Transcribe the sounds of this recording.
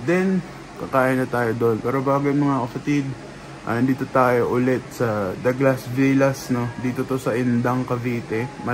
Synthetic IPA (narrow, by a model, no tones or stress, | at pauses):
d̪ɛn | kɐkaːʔɪnɐt̪aːjod̪o̞npɛːɾobaːɡojmɐŋakɐpɐt̪ɪd̪̚ | ʔɐ̰nd̪iːt̪ot̪aːjo̞ʔʊlɛt̪̚sɐd̪ɐɡlasviːlɐsno̞d̪iːt̪o̞t̪o̞sɐʔɪnd̪ɐŋkɐviːt̪ɛmɐ